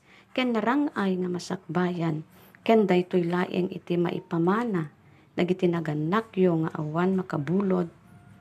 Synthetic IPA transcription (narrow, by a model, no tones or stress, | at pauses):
kɛnːaɾaŋajŋamasak̚baːjan | kɛnd̪ajt̪ojlaːʔɪ̰ŋʔɪ̰t̪ɪma̰ʔɪ̰pamaːna | naɡɪt̪ɪnaɡanakjoŋaʔa̰wanmɐkabuːlod̪̚